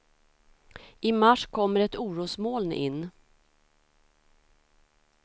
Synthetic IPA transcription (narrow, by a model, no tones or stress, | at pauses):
ɪmaʂkʰɔmːəɾɛt̪uːɾuːsmoːlnʔɪ̰nː